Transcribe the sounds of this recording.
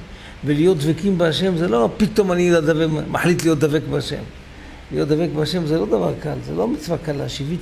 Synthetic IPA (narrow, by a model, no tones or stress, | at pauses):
velijo̞t̪d̪vekimbeaʃe̞mzelopit̪o̞manijod̪ad̪avemaħlit̪lijot̚d̪avekbeaʃḛm | lijot̪̚d̪avek̚beaʃe̞mzelo̞d̪ava̰ʁkalzḛlomit͡svakalaaʃivit̪